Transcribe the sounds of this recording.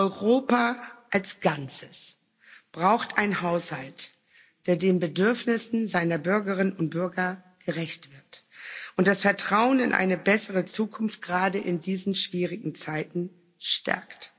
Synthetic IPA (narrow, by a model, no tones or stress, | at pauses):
ʔɔʏʁoːpaʔalsɡ̥ant͡səs | b̥ʁaʊxtʔaɪnhaʊshalt | d̥eːɐdeːnbədʏɐfnɪsn̩zaɪnɐbʏɐɡəʁɪnənʊnt̚b̥ʏɐɡɐ | ɡ̥əʁɛçtv̥ɪɐtʔʊnt̚d̥asfɛɐtʁ̥aʊənɪ̰nʔa̰ɪnəbɛsəʁət͡suːkʰʊnft̚ɡ̥ʁaːdəʔɪndiːzn̩ʃv̥iːʁɪɡŋ̩t͡saɪtn̩ | ʃtʰɛ̰ɐkt